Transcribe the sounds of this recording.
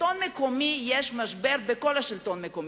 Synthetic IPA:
onmeko̞mijeʃmaʃbeʁbeko̞laʃilt̪o̞nmekom

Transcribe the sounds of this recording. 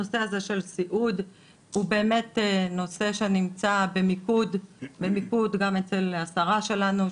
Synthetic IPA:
o̞se̞aze̞ʃe̞lsiʔud̪ | hube̞ːme̞teno̞se̞ʃe̞nimt͡sabe̞mikud̪be̞mikud̪ɡame̞t͡se̞lasaʁaʃe̞lanu

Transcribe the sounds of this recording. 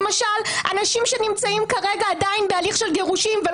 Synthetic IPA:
maʃala̰naʃimʃe̞nimt͡saimkaʁeɡaːd̪ainbealiχʃelɡeʁuʃimve

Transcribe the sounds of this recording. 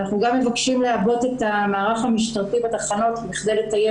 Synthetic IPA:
naχnuɡamːevakʃimleabo̞te̞tamaːʁaχamiʃtaʁtibat̪aχano̞tbiχdejletaje

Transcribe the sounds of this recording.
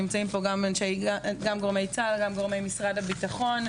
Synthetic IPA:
imt͡saimpo̞ɡamenʃeɡamɡo̞ʁme̞jt͡salɡamɡoʁme̞jmisʁadhabitaχo̞n

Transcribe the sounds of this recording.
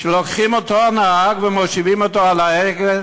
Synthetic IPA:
ʃelokχimot̪oanaaɡvemoʃivimot̪oalaeɡe

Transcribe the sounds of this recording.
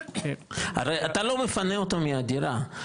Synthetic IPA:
a̰ɾat̪alomifaneot̪omiad̪iɾa

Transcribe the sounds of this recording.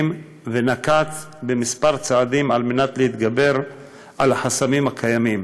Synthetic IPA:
m | venakat͡s | bemispaʁt͡saad̪imalme̞nat̪lehit̪ɡabe̞ʁ | ʔalaħasamimhakʰajamim

